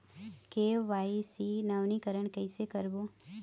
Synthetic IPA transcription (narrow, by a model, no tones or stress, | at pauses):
keʋaːisinɐʋnikəɾəɳ̃kɛɪsekəɾbo